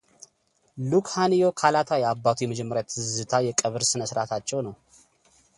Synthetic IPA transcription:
lukhanijo̞kʰalat̪ʰajɛabːat̪ʰujɛməd͡ʒɛmːəɾjat̪ʰɨzɨt̪ʰajɛkʼəβɨɾsɨnəsɾat̪ʰat͡ʃːɛwnəw

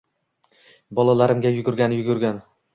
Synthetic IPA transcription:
bɒlˠalaɾɪmɡʲajʊɡʲʊɾɡʲanjʊɡʊɾɡʲan

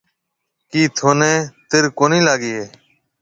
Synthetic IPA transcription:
kiːt̪ʰoːnẽːt̪ɪɾkoːnĩːlaːɡiːeː

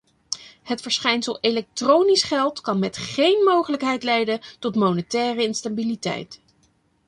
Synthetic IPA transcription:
hətfəɹsχɛjnsəlˠelɛk̚trownisχɛlˠtkɑnmɛtχejnmowχələkɦɛjtlɛjdəntɔtmownətɛːrəɪnstabilitɛ̰jt

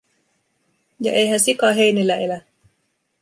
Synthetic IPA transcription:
jɑ̰ʔejɦænsikɑɦe̞jnilːæe̞læ

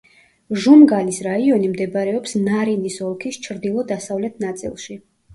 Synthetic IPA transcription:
ʒumɡanisɾaiɔnimd̪ɛbɾɛɔpsnaɾinisɔlˠkʰist͡ʃʰɾd̪ilˠɔd̪asavlɛt̪ʰnat̪sʼḭlˠʃi

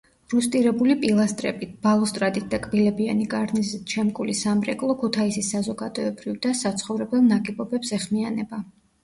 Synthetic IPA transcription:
ɾust̪ʼiɾɛbulipʼilˠast̪ʼɾɛ̰bit̪̚ʰb̥alˠɔst̪ʼɾad̪it̪̚d̪akʼbilɛbianikʼaɾnizt͡ʃʰɛmkʼulisamɾɛ̰kʼlˠɔkʰut̪ʰaisisazɔɡad̪ɔɛbɾivd̪asat̪sʰχɔvɾɛbɛlˠnaɡʼibɔbɛpsɛχmianɛba

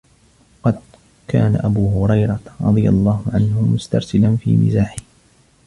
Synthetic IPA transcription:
ɑqɑd̪̚ | kaːnaʔabuːɦʊɾˤɑjɾˤɑɾˤɑ̰d̪ˤɨja̰lˤːɑːhʊʕanhʊmʊst̪ɑɾˤsɪlanfḭːmɪ̰zaːħɪh

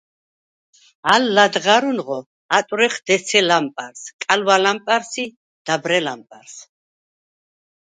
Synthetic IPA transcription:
alːad̪ʁaɾunʁɔ | at̪ʼɾɛχd̪ɛsʰɛlampʼaɾskʼalwalampʼaɾsi | d̪̥abɾɛlampʼaɾs

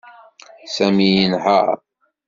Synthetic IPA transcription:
sæmijənha̰

